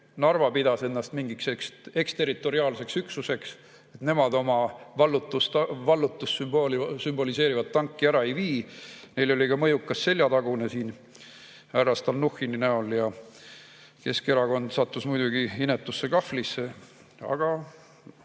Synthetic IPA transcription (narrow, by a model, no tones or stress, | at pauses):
nɑrvɑpid̪̥ɑse̞nːɑst̪miŋɡiksekse̞kst̪e̞rit̪ːˑo̞ɾiɑːlse̞ksyksuse̞ks | e̞t̪ne̞mɑd̪̥o̞mɑvɑlːut̪ːˑust̪ɑvɑlːut̪ːusymb̥olisymb̥o̞lise̞ːɾivɑdt̪ːɑŋkːiæɾɑe̞jviːne̞jlo̞lʲikɑmɤ̞jukːˑɑsːe̞lʲjɑt̪ɑɡ̥unesiːn | æɾɑst̪ɑlnuxininæoljɑ | ke̞ske̞ɾɑɡo̞nd̪̥sɑt̪ːusmujd̪uɡ̥iinet̪ːˑusːe̞kɑflisːe | ɑ̰ɡ̥ɑ